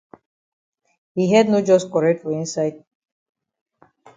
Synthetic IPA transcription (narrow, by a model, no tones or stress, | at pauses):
hiɦɛdnod͡ʒɔskɔɹeʈfɔĩnsaɪd̚